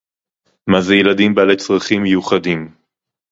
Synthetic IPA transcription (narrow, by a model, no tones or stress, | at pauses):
mazejelad̪imbealet͡sʁaχimːejuχadim